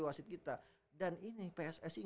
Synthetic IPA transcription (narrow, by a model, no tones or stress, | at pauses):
iwasɪt̪̚kit̪a | daninipeɛsɛsi